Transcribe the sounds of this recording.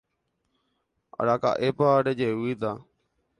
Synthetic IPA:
a̰ɽaka̰ːʔepaɖed͡ʒeuit̪aː

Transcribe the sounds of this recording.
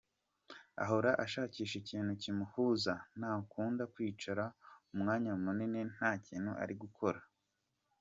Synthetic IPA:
a̰ɦo̞ɾaʔaʃaːciːʃe̞ciːn̥hucimuhuzanaːkuːndakwiːt͡ʃaɾaumŋaːɲamunine̞n̥aːciːnhuʔa̰ɾiɡukʰo̞ɾa

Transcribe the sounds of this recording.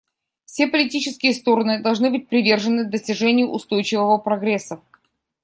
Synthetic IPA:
fsʲe̞pəlʲɪtʲit͡ɕɪskʲɪjəst̪o̞ɾənɨd̪ɐlˠʐnɨbɨt̚ʲpɾʲɪvʲe̞rʐɨnːɨd̪əsʲtʲɪʐɛnʲɪjʊʔʊst̪o̞jt͡ɕɪvəvəpɾɐɡɾʲɛsːə

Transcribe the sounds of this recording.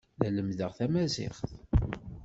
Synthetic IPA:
æləmðəʁθæmæzɪ̰χθ

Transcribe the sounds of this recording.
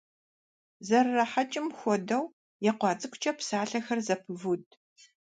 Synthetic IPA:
zɐrːɐħat͡ʃʼɪmxʷɔdɐw | jɛqʷɑːt͡sʼɨkʷʊt͡ʃʼɐpsaːɬɐxɐrzɐpʰɨvud

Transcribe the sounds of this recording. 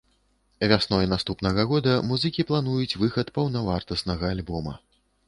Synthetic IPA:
vʲasnɔjnast̪upnɐɣɐɣɔd̪ɐmuzɨkʲiplˠan̪ujut͡sʲvɨxɐt̪pɐwnɐvart̪ɐsnɐɣɐːlʲbɔmɐ̰

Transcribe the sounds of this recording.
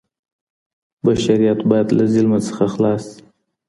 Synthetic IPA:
baʃaɾijat̪bɑjad̪lazɪlmasə̥xaxlɑsi̥

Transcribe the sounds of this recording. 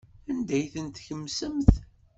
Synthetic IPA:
ænd̪æjθənt̪çəmːsəmθ

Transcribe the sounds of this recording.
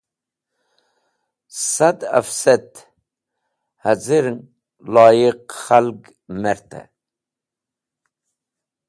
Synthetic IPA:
sad̪a̰fset̪ | haziɾŋ | lɑːjiqχalɡ | meɾt̪a̰

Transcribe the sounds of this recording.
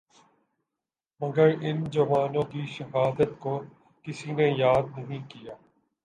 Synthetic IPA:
mɐɡəɾɪnd͡ʒɐʋaːnõːkiʃɐɦaːd̪ət̪ko | kɪsinejaːd̪nɐɦĩkijaː

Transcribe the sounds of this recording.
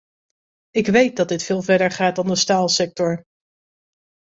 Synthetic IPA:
ɪkʋejt̚dɑt̚dɪtfɪːlˠvɛɹdəɹχaːt̚dɑndəstaːlˠsɛk̚tɔɹ

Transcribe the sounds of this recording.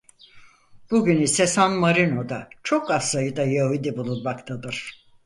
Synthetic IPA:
b̥uɟynysesanmaɾino̞d̪at͡ʃʰo̞kasajɯd̪ajaɦud̪ibulˠunmakt̪ʰad̪ɯɾ̥

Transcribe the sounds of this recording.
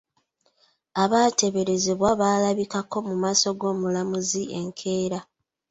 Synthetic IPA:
aβaːte̞βe̞ɾe̞zeβwaβaːlaβikako̞mumaːso̞ɡo̞ːmulamuzie̞̰ŋkʰe̞ːɾa

